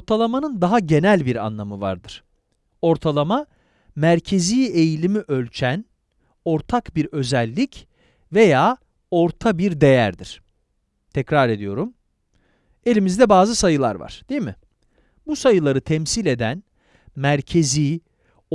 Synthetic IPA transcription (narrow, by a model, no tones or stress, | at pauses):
oɾt̪ʰalˠamanɯnd̪aɦaɟe̞nælʲbiɾa̰nlˠamɯva̰ɾd̪ɯɾ̥ | o̞ɾt̪ʰalˠama | mæɾcʰe̞ziːe̞jilʲimiʔølʲt͡ʃʰæn | o̞ɾt̪ʰakbiɾø̞zælʲːic | ve̞jaː | o̞ɾt̪ʰabiɾd̪e̞jæɾd̪iɾ̥ | t̪ʰɛcɾaɾe̞d̪ijo̞ɾum | e̞lʲimizd̪ɛbaːzɯsajɯlˠa̰ɾva̰ɾ̥d̪̥ejimɪ | busajɯlˠaɾɯt̪ʰɛmsilʲe̞d̪æn | mæɾcʰe̞ziː